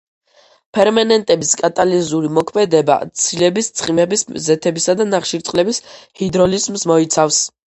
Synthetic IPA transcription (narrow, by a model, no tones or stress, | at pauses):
pʰɛɾmanɛnt̪ʼɛbiskʼat̪ʼalinzuɾimɔkʰmɛd̪ɛba̰t̪sʰilɛbist̪sʰχimɛbiszɛt̪ʰɛbisad̪anaχʃiɾt̪sʼqʼlɛbishid̪ɾɔlizmsmɔit̪sʰafs